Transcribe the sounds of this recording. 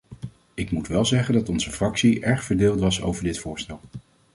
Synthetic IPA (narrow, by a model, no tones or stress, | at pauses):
ɪkmutʋɛlˠzɛχəndɑtɔnz̥əvrɑksiʔɛɹχfəɹdeːlˠtʋɑso̰wvəɹdɪtfʊːɹstɛlˠ